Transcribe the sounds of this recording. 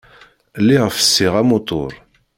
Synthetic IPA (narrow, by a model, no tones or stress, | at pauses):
lːiʁəfə̥sːiʁæmot̪ˤo̰ɾˤ